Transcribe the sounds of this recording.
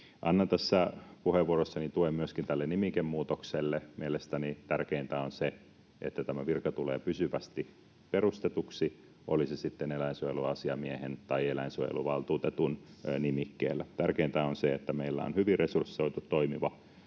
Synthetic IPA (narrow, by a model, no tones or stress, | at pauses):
ʔɑnːɑnt̪æsːæpuheʋʋuorosːɑnit̪uemmyøskint̪ælːenimikemmuːt̪okselːemielest̪ænit̪ærkeint̪æonse | ḛt̪ːæt̪æmæʋirkɑt̪ulḛːpysyʋæst̪i | perust̪et̪uksi | ʔolisesit̪ːenelæinsuojeluɑsiɑmiehent̪ɑielæinsujḛluʋɑlt̪uːt̪et̪unnimikːḛːlːæt̪ærkeint̪æonseet̪ːæmeilːæ̰o̰nhyʋirresursːoit̪ut̪ːoimiʋɑ